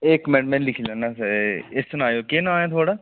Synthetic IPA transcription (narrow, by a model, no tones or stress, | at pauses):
ekːmɛ̃ːɖmɛ̃ːnlɪkʰiːlaːnaːsɪssʊnaːjoːkenãːẽːt̪ʰoːɽaː